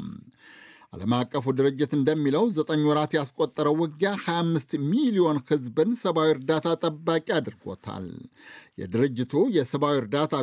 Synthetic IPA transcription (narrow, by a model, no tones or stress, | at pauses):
ʔa̰ləmakʼːəfud̪ɨɾɨd͡ʒːɪt̪ɨnd̪əmːiləwzət̪ʼəɲːwɔɾat̪jaskʼot̪ʼːəɾəwːɔɡjahajamːɨst̪milijo̞nhɨzbɨnsəβawiɾd̪at̪ʰat̪ʼəbːakʼiad̪ɨɾɡo̞̰t̪ʰa̰ljɛ̰d̪ɨɾɨd͡ʒːɪt̪ʰujɛsəβawiɾd̪at̪ʰa